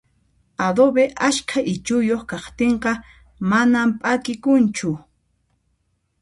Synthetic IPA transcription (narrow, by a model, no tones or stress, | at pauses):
ad̪obeʔaʃkʰaʔɪt͡ʃʊjoχkɑχt̪eɴqɑ | manampʼakɪkʊnt͡ʃʊ